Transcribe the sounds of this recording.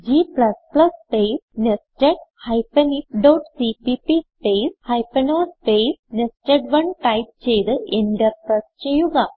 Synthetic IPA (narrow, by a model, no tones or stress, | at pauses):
d͡ʑiːplɐsplɐspesnesʈeʈ̚hajpɐnikɖowʈsipipispejshɐjpenoːspesnesʈeʈʋɐɳʈajp̚t͡ɕejd̪ɨʔeɳɖɐɾpɾɐst͡ɕejuɡa